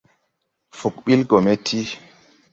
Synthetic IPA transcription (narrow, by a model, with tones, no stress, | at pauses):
fu˨kɓi˦lɡɔ˨me˦tʰːi˦